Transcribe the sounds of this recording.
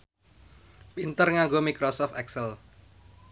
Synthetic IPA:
bint̪ərŋaŋɡomikɾosɔft̪ɛksəl

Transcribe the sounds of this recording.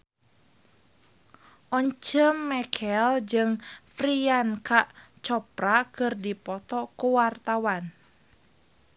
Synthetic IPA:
ʔɔɲt͡ʃəmːɛkʰɛld͡ʒɨŋpɾiankaʔt͡ʃɔpɾakɨrdipɔt̪ɔkuwart̪awan

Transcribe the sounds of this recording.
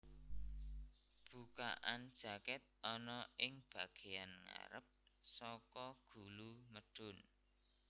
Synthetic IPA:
b̥uka̰ʔand̥ʒ̥a̤kɛt̪̚ɔnɔɪŋb̥a̤ɡ̥ejanŋa̰ɾəp̚sɔkɔɡ̥uluməɖ̥ʊn

